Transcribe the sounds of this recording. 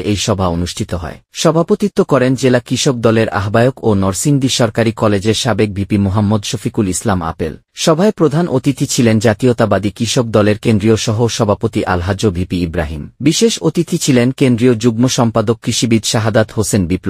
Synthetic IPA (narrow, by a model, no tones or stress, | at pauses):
ʔejʃɔbʱaonuʃʈʰit̪oɦɔ̰eʃɔbʱapot̪it̪ːokɔɾend͡ʑelakɾiʃok̚d̪ɔleɾa̰ɦbaeokonɔɾsind̪iʃɔɾkaɾikɔled͡ʑeɾʃabek̚bʱipimoɦamːod̪ʃofikulislama̰pḛl | ʃɔbʱaepɾod̪ʱanʔot̪it̪ʰit͡ɕʰilend͡ʑat̪iot̪abad̪ikɾiʃok̚d̪ɔleɾkend̪ɾioʃɔɦoʃɔbʱapot̪iʔalɦad͡ʑobʱipiibɾaɦimbiʃeʃot̪it̪ʰit͡ɕʰilenkend̪ɾiod͡ʑuɡmoʃɔmpad̪okːɾiʃibid̪ʃaɦad̪at̪hosenbiplo